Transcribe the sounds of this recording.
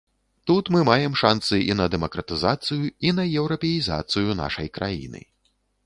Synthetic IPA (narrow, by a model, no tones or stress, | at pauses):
t̪ut̪mɨmajɛmʂant̪sɨḭnɐd̪ɛmɐkɾɐt̪ɨzat̪sɨjuinɐjɛwɾɐpʲɛjiza̰t̪sɨjuna̰ʂɐjkɾʔa̰jḭnɨ̰